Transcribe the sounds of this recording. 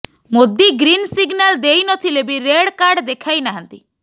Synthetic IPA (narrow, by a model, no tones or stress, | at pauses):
mod̪iɡɾinsiɡnald̪ejnɔt̪ʰilebiɾeɽkaɾɖd̪ekʰajnaɦant̪i